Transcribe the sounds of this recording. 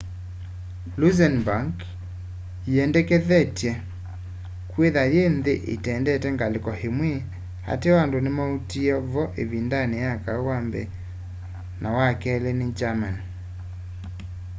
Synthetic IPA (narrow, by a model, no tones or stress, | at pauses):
luzɛnbaŋk | iɛndɛkeðɛtjɛ | kweðaɾenðeʔḛtɛndɛtɛŋɡalekɔhemwe | ha̰tewandonemautiɔvɔʔeβindanejakawambɛ̰ | nʔawakɛlened͡ʒaman